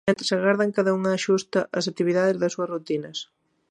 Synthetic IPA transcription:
ɛt̪saɣaɾðɐŋkaðɐuŋaːʃust̪ɐʔɐs̬ɐk̚t̪iβiðaðezðɐsuɐsrut̪inɐs

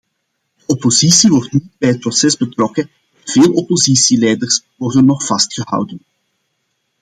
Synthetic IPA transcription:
d̥əɔpozisiʋɔrtnid̚bɛjɦət̚prɔsɛzbətrɔkə | v̥eːlˠɔpozisilɛjdərs | ʋɔrdənːɔxfɑstxəhɑ̰wdən

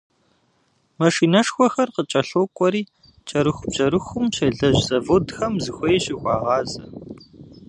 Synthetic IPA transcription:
mɐʂiːnɐʂxʷɔxɐrqət͡ʃʼɐɬoːkʷʼɔɾiː | t͡ʃʼɐɾɨxʷʊbʑ̥ɐɾɨxʷʊmɕɐɮɐʑzɐvoːdxɐmzɨxʷejɕɪxʷɑːʁɑːzɐ

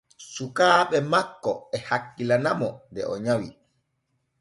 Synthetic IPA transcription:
sukaːɓɛmakːɔ̰ɛhakːilanamɔndɛ̰ʔɔɲawi

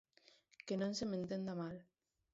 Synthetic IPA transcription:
kenõnsement̪end̪amal

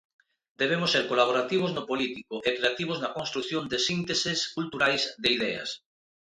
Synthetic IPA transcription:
d̪eβemʊsːeɾkolaβ̞oɾat̪iβ̞oznopolit̪ikoʔekɾeat̪iβ̞oznɐkonst̪ɾukθjond̪esint̪eseskult̪uɾajzd̪eiðɛɐ̰s

